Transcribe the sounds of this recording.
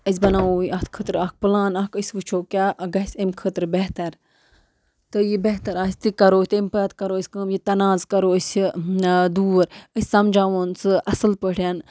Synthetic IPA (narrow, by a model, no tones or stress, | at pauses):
əs̬ʲbɐnaːoːjɐt̪kʰət̪ɾɐk̚pɨlãːnɐkəsʲʋɨt͡ʃʰoːkʲaːɡɐsʲəmkʰət̪ɾbet̪ɐɾ | t̪ɨjibeɦt̪ɐɾaːsʲt̪ɨkɐɾoːt̪emʲpət̪kɐɾoːəsʲkəmjit̪ɐnaːzkɐɾoːəsʲ | d̪uːɾəsʲsɐmd͡ʒaːʋoːnt͡sɨɐsɨlpəɽʰjan